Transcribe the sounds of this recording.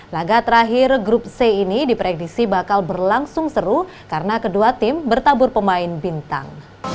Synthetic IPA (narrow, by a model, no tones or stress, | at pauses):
laɡat̪əɾaɦɪrɡɾʊp̚seinidipɾɛdik̚sibakalbərlaŋsʊŋsəɾuh | kaɾənakəduat̪ɪmbərt̪abʊrpəmaɪnbint̪a̰ŋ